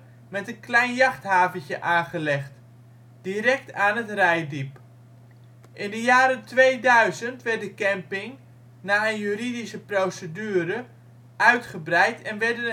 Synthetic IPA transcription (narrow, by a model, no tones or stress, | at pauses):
mɛtənklɛjnjɑχthaːvəncəʔaːχəlɛχt | d̥iɾɛk̚taːnətrɛjdip | ʔɪndəjaːɾəntʋejdœɥzəntʋɛrt̚dəkɛmpɪŋ | naːənjyridisəprowsədyːɾə | ʔœɥtχəbrɛjtʰɛnʋɛrdən